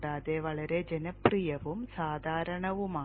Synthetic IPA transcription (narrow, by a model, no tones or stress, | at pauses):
ɽaːðeʋɐɭɐɾe̞d͡ʑenɐprijɐʋumsaːd̪ʱaːɾɐɳɐʋumaː